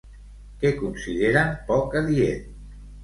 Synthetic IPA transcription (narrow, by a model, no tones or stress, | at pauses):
kɛkunsiðeɾapɔkaðiet̪